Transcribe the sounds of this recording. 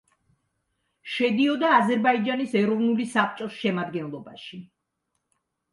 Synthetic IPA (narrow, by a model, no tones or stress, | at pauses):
ʃɛd̪iɔd̪aːzɛɾbaid͡ʒanisɛɾɔvnulisapʰt͡ʃʼɔsʃɛmad̪ɡɛnlˠɔbaʃi